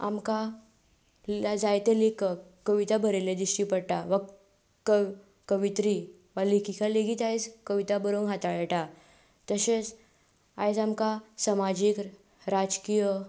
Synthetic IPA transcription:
a̰mka | ad͡zajt̪elikakəʋit̪abʱəɾeled̪iɕʈipəɽʈaʋa | kə | kəʋit̪ɾi | ʋalikikaleɡit̪ajd͡zkəʋit̪abəɾoŋɦat̪aɭeʈa | t̪əɕet͡s | a̰jd͡zamkasamad͡ʑik | ɾad͡ʒkijə

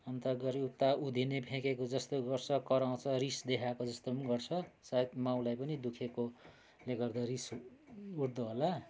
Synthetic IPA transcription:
ʌnt̪ʌɡʌɾiut̪ːaud̪ʱinebʱẽkekod͡zʌst̪oɡʌrt͡sʰʌkʌɾaw̃t͡sʰʌrisd̪ekʰakod͡zʌst̪onɡʌrt͡sʰʌsajt̪maw̃lajpʌnid̪ukʰeko | leɡʌrd̪ʌris | uɽd̪oɦola

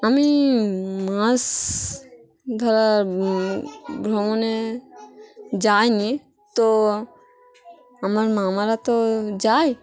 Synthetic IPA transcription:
əmi | mãs | d̪ʱaɾa | bɾomone | d͡ʒaːjni | t̪o | əmaɾmaːmaɾat̪od͡ʒaːj

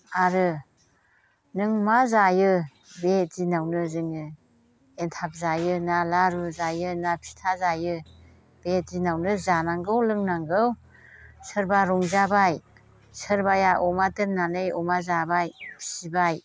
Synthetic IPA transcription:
aɾɯ | nɯŋmazajɯ | bet̚zinawnɯzɯŋɯ | entʰap̚zajɯnalaɾuzajɯnapʰi̥tʰazajɯ | b̥ezinawnɯzanaŋɡɯwlɯŋnaŋɡɯw | sɯɾbaɾɔŋzabaj | sɯɾbajaʔɔmatɯɾnanɯjɔmazabajʰsibaj

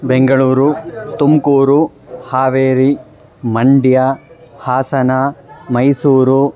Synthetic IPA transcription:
beŋɡɐɭuːɾut̪umkuːɾu | haːʋeːɾi | mɐɳɖja | haːsɐnamɐjsuːɾu

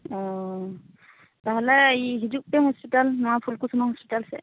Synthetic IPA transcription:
ɔ̃ | baɦalaiɦiduk̚pɛhɔspitalnʊapʰulkusʰumahɔspitalsɛ̰

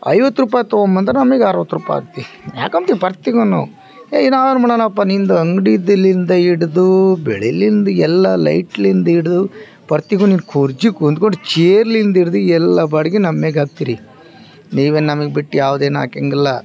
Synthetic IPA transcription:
ɐ̰jʋɐt̪ːɾuːpaːjt̪oːombɐnd̪ɾenɐmɐɡaːɾʋɐt̪ːɾuːpa̰ja̰ːɡt̪ːi | ja̰ːkɐmt̪ipɐɾt̪iɡonṵ | eːinaːʋɐnmɐɳɐnɐpːanind̪ɐɐŋɡɽid̪ɐlːind̪ɐiɽd̪ubɛɭelind̪uɛlːɐlɐ̰jʈlind̪ɐiɽd̪u | pɐɾt̪iɡuniːnkʰuɾd͡ʒikund̪koɳɖut͡ʃeːɾlind̪iɽd̪uɛlːɐbɐɽiɡenɐmːeɡaːɡ̚t̪iːɾi | niːʋeːnnɐmɐɡebiʈːjaːʋd̪eːna̰ːkeŋɡɐlːɐ

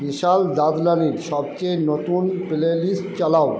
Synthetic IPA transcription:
biʃald̪ad̪laniɾʃɔb̚t͡ɕejnɔt̪unpelelist͡ɕalaw

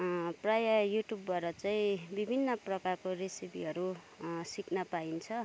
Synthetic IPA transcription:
prajajuʈjubːʌɾʌt͡saĩbibʱinːʌprʌkarkorisipḭɦʌɾu | siknapaint͡sʰʌ

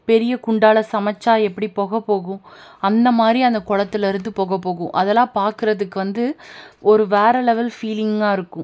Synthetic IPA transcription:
pɛɾɪjɐkʊɳɖaːlɐsɐmɐt͡ʃːaːɛpːɐɽipoːɣɐpːoːɣʊ̃ɐnd̪ɐmaːd̪ɾiɐnd̪ɐkɔɻɐt̪ːɪlɛɾɯnd̪ɯpoːɣɐpːoːɣʊ̰̃ʔɐðɛlãːpaːɾkɯɾɐðɯkːɯʋɐnd̪ɯɔɾɯʋeːɾɛlɛʋɐlfiːlɪŋɡaːɪɾɯkːʊ̃

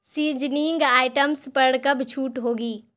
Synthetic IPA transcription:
siːd͡ʒniːŋɡaːɪʈəmspɐɽkɐbt͡ʃʰuːʈɦoːɡiː

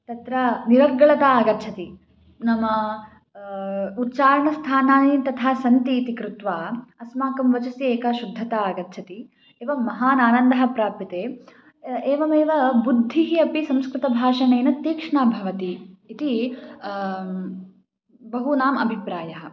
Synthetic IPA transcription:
t̪ɐt̪ɾɐniɾɐɡːɐɭɐt̪aaːɡɐɾt͡ʃʰɐt̪i | nɐmɐ | ut̪ːt͡ʃaːɾɐɳɐst̪ʰaːnaːnit̪ɐt̪ʰaːsɐnt̪iːt̪ikɾut̪ʋaːɐsmaːkɐmʋɐt͡ʃɐsieːkɐʃud̪ʱːɐt̪aːɡɐtːt͡ʃʰɐt̪i | eːʋɐmɐɦaːnaːnɐnd̪ɐɦɐ̆pɾaːpit̪eː | eːʋɐmeːʋɐbud̪ʱːiɦiɐpisɐ̃mskɾɪt̪ɐbʱaːʂɐneːnɐt̪ːiːkʂɐɳaːbʱɐʋɐt̪iːt̪i | bɐɦunaːmɐ̰bʱipɾaːjɐɦɐ̆

